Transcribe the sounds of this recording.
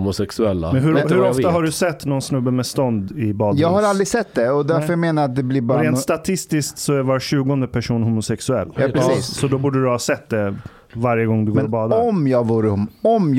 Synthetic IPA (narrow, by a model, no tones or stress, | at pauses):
mʊsɛksɵɛlːa̰mɛnɦɵɾhɵɾɔft̪aɦaɖɵsɛt̪ːnɔnsnɵbːəmɛst̪ɔnd̪ɪbɑːd̪jɑːɡhaɾald̪ɾɪsɛt̪ːd̪ɛɔd̪æɾfœɾjameːnaɾat̪̚d̪ɛblɪbɑɾɾɛːnst̪at̪ʰɪst̪ɪskt̪sɔævaɾɕʉ̟ːɡɔnd̪əpʰæʂuːnhumʊsɛksɵɛ̰lːɾsiːsɔd̪ɔbuːɖəɾhɑsɛt̪ːd̪ɛ | vaɾjəɡɔŋːd̪ɵɡoːɾɔbɑːd̪ɔmjɑːɡvuːɾəhɔm